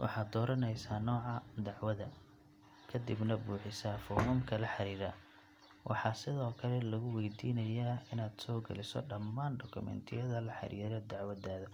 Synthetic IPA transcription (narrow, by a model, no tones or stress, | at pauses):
wʔɑ̰ħɑːd̪ɔːɾɐnɛjsaːnɔːʕɑd̪ɑʕwɐðɐ | kʰɐd̪ɪbnɐbuːħɪsɐfɔhuːmkʰɐlɐħɑɾiːɾɐː | wʔɑ̰ħɑːsɪðɔːkʰɐlɛlɐɣʊwɛjd̪iːnɐjaːɪnaːd̪sɔːɡɐ̰lɪsɔ̰ɖɐmːaːnɖɔkʰʊmɛ̰nt̪ʰɪjɐðɐlɐħɑ̰ɾḭːɾɐd̪ɑʕwɐd̪aːðɐ